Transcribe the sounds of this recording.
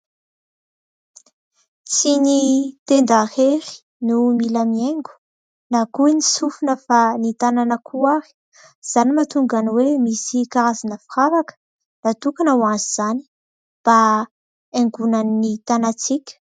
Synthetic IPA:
t͡sinit̪end̪aheɾi̥ | numilamieŋɡu̥ | nakuenisufunəfanit̪ananəkʰuaɾi̥ | z̥animat̪uŋɡanwemisikaɾazanəfiravakə̥ | nat̪ukanawanziz̥ani̥ | b̥a | eŋɡunaninit̪anat͡sikʲə̥

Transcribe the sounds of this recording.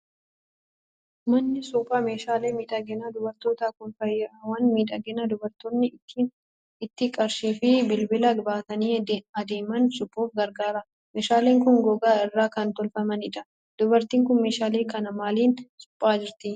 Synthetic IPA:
mɐnːɪsʊpʼːaːme̞ːʃaːleːmiːᶑɐɡɛnad̪ʊbɐɾt̪oːt̪aːkʊnfɐjːɐʔɐwɐnmiːᶑɐɡɛnad̪ʊbɐɾt̪onːɪi | ɪt̪ːɪkʼɐɾʃiːfɪbɪlbɪlɐɡbaːt̪ɐniːɐd̪e̞ːmɐnsʊpʼːoːfɡɐɾɡaːɾɐ | meːʃaːleːŋkʊnɡɔɡaːɪrːaːkɐnt̪ɔlfɐmɐnɪᶑɐ̥ | d̪̥ʊbɐɾt̪iːŋkʊnme̞ːʃaːle̞ːkɐnɐmaːliːnsʊ̥pʼːaːd͡ʒɪɾt̪ɪ

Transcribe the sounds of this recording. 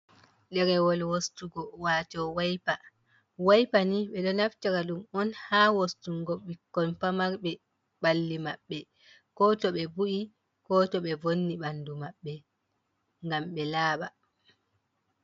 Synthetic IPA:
ɗɛɾɛwɔlwostuɡɔwaːtɔwajpa | wajpaniɓɛɗɔnaftaɾaɗumɔnhawostuŋɡoɓːikːɔnpamaɾɓɛ | ɓalːimaɓːɛ | kɔːtɔɓɛbuʔi | kɔːtɔɓɛvonːiɓandumaɓːɛ | ŋɡamɓɛlaːɓa

